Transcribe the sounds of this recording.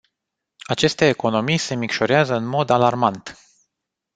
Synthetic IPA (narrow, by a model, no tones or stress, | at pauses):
at͡ʃe̞st̪e̞ːko̞no̞mijse̞mikʃoɾeazəɨnmo̞d̪alarmant̪